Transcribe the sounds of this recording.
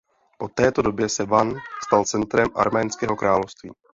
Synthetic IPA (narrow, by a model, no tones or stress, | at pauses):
po̞t̪ɛːt̪o̞do̞bjɛsɛvanst̪alt͡sɛnt̪ɾɛmʔa̰ɾmɛːnskɛːɦo̞kɾʔaːlofst̪viː